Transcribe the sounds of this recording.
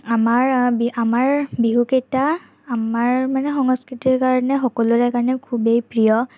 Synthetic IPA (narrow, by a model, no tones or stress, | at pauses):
amaɹbiamaɹbiɦuketaː | maɹmanɛxɔŋɔskɹitiɹkaɹɔnɛxɔkɔlʊɹɛkaɹɔnɛkʰubejpɹijɔ